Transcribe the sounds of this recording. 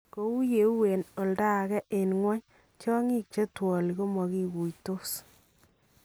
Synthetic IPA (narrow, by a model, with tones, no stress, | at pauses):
ko˨˦u˦je˨˦u˦we˨nɔ˨lda˦˨kɛ˦ʔe˨nŋwa˦ɲ | t͡ʃɔ˦ŋi˦k̚t͡ʃe˦twɔ˨li˨ko˦mɔ˨ki˦ɡu˨jto˦s